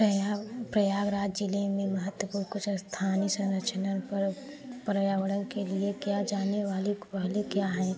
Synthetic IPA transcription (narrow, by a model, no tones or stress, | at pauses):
pɾɐjaːɡɾaːd͡ʒd͡ʒɪlemẽməɦət̪wəpuːɾkʊt͡ʃʰst̪ʰaːnisɐ̃ɾət͡ʃʰənənpəɾ | pɾəjaːʋəɽənkeliekjad͡ʒaːneʋaːliʋaːlikjaːɦɛ̃